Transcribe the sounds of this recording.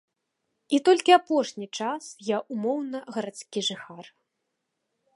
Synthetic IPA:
it̪ɔlʲkʲiapɔʂnʲit͡ʂasjaʔumɔwnɐɣɐɾat̪skʲiʐɨxar

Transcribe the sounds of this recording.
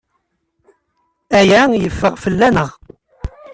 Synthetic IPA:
æjæjəfːəʁfəlːænəʁ

